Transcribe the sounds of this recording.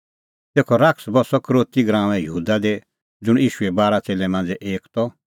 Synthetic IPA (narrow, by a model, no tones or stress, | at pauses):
t̪eːkʰɔɾaksbɔsɔkɾoːt̪iɡɾãːʋɛ̃jəuːd̪ad̪e | d͡zʊɽ̃iːʃʊɛbaːɾat͡seːlɛmãːnd͡zɛʔeːkt̪ɔ